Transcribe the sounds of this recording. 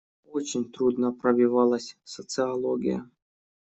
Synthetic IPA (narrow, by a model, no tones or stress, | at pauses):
ot͡ɕɪnʲt̪ɾud̪nəpɾɐvʲivɑlˠəsʲsət̪sɨɐlˠoɡʲɪ̰jə̰